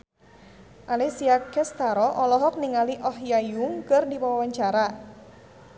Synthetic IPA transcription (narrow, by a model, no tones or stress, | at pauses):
ʔalisiakɛst̪aɾɔʔɔlɔɦɔk̚niŋaliʔɔɦjajuŋkərdipawawaɲt͡ʃaɾa